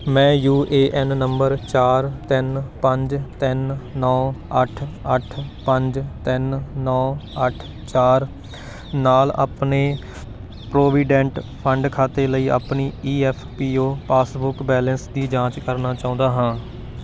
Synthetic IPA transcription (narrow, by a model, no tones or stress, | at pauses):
mɛ̃ːjuːʔeːʔɛnnəmbəɾt͡ʃaːɾt̪ɪnpəɲd͡ʒt̪ɪnːɔːəʈʰəʈʰpəɲd͡ʒt̪ɪnnɔːəʈʰ | t͡ʃaːɾ | naːla̰ːpneː | pɾoːʋiːɖɛ̃ɳʈpʰəɳɖkʰaːt̪eːləiːʔa̰ːpniːiːɛːpʰpiːoːpaːsbʊkbɛːlənsd̪iːd͡ʒãːt͡ʃkəɾnaːt͡ʃaːʊ̃ːnd̪aːɦãː